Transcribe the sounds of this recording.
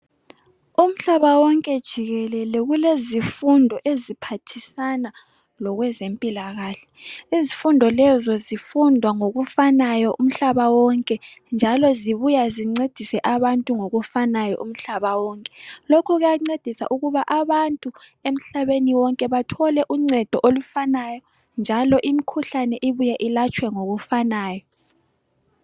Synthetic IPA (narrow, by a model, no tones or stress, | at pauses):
um̩ɬaβawɔŋkʼɛd̥ʒ̥ʱiɣɛlɛlɛɣulezifundʱɔʔezipʰatʰisana | lɔɣwɛzempʼilaɣaːɬɛ̥izifundʱɔlɛzɔzifundʱwaŋoɣufanajɔʔum̩ɬaβawɔŋkʼɛnd͡ʒʱalɔziβujaziŋ͡ǀed̥ʱisɛʔaβantʼuŋoɣufanajɔ̰ʔum̩ɬaβawɔŋkʼɛ̥lokʰɔɣujaŋ͡ǀed̥ʱisa̰ʔuɣuβaʔaβantʼuem̩ɬaβeniwɔŋkʼɛβatʰɔlɛʔuŋ͡ǀɛd̥ʱɔʔolufanajɔ | nd͡ʒʱalɔʔimikʰuɬanɛʔiβujaʔilat͡ʃʼwɛŋoɣufanaːjɔ